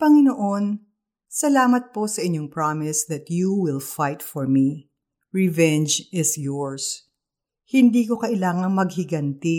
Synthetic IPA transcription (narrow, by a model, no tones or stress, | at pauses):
pɐŋɪnoʔo̞n | sɐlaːmɐt̪̚po̞sɐʔɪɲoŋpɹamɪsd̪ɐt̪juwɪlfajt̪fɔɹmi | ɹɛvɛnd͡ʒɪsjɔɹs | hɪnd̪iːko̞kɐʔɪlaːŋɐŋmɐɡhɪɡɐnt̪ɪ